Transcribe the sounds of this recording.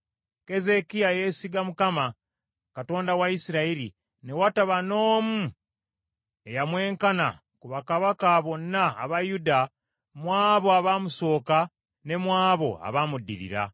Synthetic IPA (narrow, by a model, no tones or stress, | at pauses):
ke̞ze̞kiajesiɡamukama | kato̞ːndawaisiɾaiɾḭ | ne̞wataβano̞ːmu | e̞jamwe̞ːŋkana̰ | kuβakaβakaːβo̞nːa̰ːβajuda | mwaːβo̞aβamuso̞ːka | ne̞mwaːβo̞̰a̰βamudːḭɾḭɾa̰